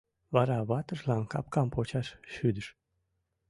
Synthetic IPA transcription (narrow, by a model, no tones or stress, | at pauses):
βɑɾɑβɑt̪əʒlɑnkɑp̚kɑmpot͡ɕɑʃʃyd̪əʃ